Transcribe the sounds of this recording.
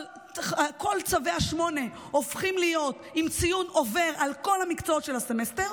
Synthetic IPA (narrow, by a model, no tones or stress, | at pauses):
ko̞lt͡saveaʃmo̞ne̞ | ofχimlijo̞t̪imt͡sijuno̞ve̞ʁʔalko̞lhamikt͡soot̪ʃe̞lase̞meste̞ʁ